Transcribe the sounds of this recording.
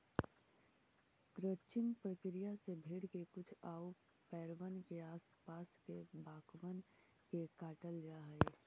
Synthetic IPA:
ɡɾət͡ʃɪmpɾəkɾijasebʱeːɽkekʊt͡ʃʰaːo | pɛːɾʋənkeaːspaːskebaːkʋən | kekaːʈəld͡ʒaːɦe

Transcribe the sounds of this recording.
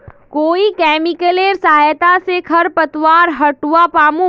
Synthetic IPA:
koːikɛːmɪkəleɾsaɦajt̪asekʰɐɾpɐt̪waːɾɦɐʈuwapaːmũ

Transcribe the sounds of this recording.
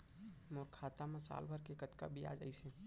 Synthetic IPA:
moːɾkʰaːt̪amasa̰ːlbʱəɾkekət̪ka̰bʱia̰ːd͡ʒə̰isẽ

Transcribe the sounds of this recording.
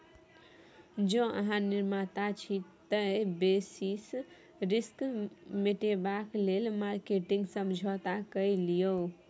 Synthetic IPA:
d͡ʒɔ̃ʔə̰ɦãniɾmat̪at͡ʃʰit̪əbesis | ɾiskmeʈebaklelmaɾkeʈĩŋɡsəmd͡ʒʱɔt̪akəjlijo

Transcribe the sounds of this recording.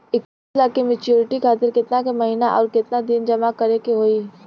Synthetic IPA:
ɪkːislaːkːemɪt͡ʃjuːɾɪʈikʰaːt̪ɪɾkɪt̪nakemɐɦiːnaʔɔːɾkɪt̪nad̪ind͡ʒɐmakɐɾekeɦoːi

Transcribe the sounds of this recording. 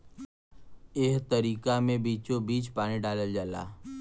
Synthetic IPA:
eːɦt̪əɾiːkamẽbiːt͡ʃobiːt͡ʃpaːniɖaːləld͡ʒaːla̰ː

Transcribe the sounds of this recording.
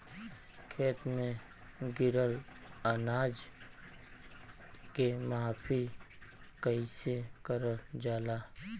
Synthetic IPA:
kʰeːt̪mẽ | ɡɪɾəl | ənaːd͡ʒ | kemaːpʰi | kəisekəɾəld͡ʒaːlaː

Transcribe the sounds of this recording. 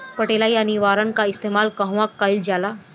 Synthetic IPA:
pəʈelajaniʋaːɾankaist̪emaːlkəɦʋakːaild͡ʒala

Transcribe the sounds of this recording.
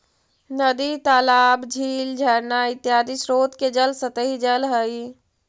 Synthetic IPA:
nəd̪it̪aːlaːbd͡ʒʱiːld͡ʒʱəɾnaɪt̪jaːd̪isɾoːt̪ked͡ʒəlsət̪əɦid͡ʒəlɦəj

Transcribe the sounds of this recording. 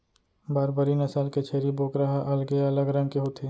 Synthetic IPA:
baːɾbəɾinɐsaːlket͡ʃʰeːɾiboːkɾaɦaʔɐlɡeɐləɡɾɐ̃ŋɡkeɦoːt̪ʰeː

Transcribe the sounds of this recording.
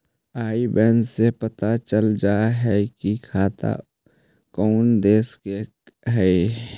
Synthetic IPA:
aːibɛːndsepət̪at͡ʃəld͡ʒaːɦɛkikʰaːt̪a̰ | kɔːnd̪eːske | ɦɛe

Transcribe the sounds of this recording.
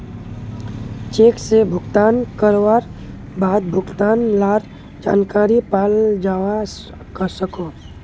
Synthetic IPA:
t͡ʃeːksebʱʊɡt̪aːnkəɾwaːɾ | baːd̪̚bʱʊɡt̪aːnlaːɾ | d͡ʒa̰ːnkaːɾipaːld͡ʒaːwa | kəɾsəkoː

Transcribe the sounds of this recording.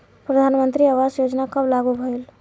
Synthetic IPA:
pɾəd̪ʱanmənt̪ɾiawasjod͡ʒnakəblaɡubʱəel

